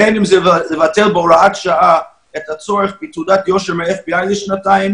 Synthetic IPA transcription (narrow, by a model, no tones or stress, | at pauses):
ɛnɪmzɛɛvatɛlˠbɔɾaatʃaa | ɛtat͡sɔɾəχbitudatjɔʃəɾmɛɛχbiaɪlɪʃnataɪm